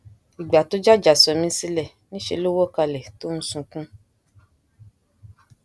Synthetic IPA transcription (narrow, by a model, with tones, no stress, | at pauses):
i˨ɡ͡ba˨to˦d͡ʒa˦d͡ʒa˨sɔ˨mĩ˨˦si˦lɛ˨ | nĩ˦ʃḛ˧˦lo˦wɔ˦˨ka˧lɛ˨to˦ñ̩˦sũ˧kũ˦